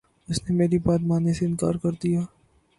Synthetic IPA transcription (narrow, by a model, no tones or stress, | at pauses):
ʊsnemeːɾibaːt̪maːneseɪnka̰ːɾkɐɾd̪ijaː